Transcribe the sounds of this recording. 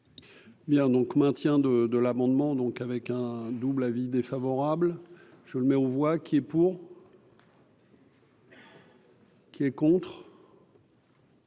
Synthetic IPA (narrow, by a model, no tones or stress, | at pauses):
bjɛ̃d̪ɔ̃kmɛ̃t̪jɛ̃d̪əd̪əlamɑ̃d̪mɑ̃d̪ɔ̃kavɛkɛ̃d̪ublavid̪efavɔʁabl | ʒ̥ələmɛovwakʲiɛpuʁ | kʲiɛkɔ̃t̪χ